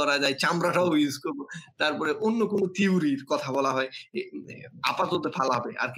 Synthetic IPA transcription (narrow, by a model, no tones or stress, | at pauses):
ɔɾad͡ʑaet͡ɕamɾaʈaouskoɾbot̪aɾpɔɾeʔonːokonot̪iuɾiɾkɔt̪ʰabɔlaɦɔe | a̰pat̪ot̪epʰalaɦɔbeʔa̰ɾk